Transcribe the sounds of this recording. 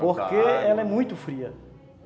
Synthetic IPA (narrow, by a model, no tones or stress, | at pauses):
poɾkeɛlɐɛmũj̃t̪ʊfɾiɐ